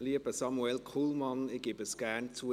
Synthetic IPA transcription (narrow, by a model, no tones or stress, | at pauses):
liəbəsɑmuɛlkʰuːlmɑnɪɡ̥ebəsɡ̥æɾnt͡suə